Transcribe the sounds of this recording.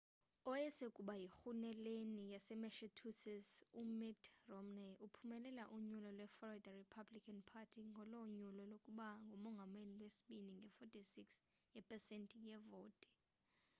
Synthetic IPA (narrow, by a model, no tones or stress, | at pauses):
ɔjɛsekʼuɓajixunɛlenijasɛmɛʃɛtʰusʰɛsumitʰrɔmnɛʔupʰumɛlɛlaʔuɲulɔlwɛfɔɔɛdaripʰablikʰʼanpʰatʰiŋɡʱɔlɔɲulɔlokʼuɓaŋɡʱomɔŋɡʱamenilwesi̥ɓiniŋɡʱɛfɔtʼʰisiksjɛpʰʼɛsentʼijɛvoːtʼɛ̥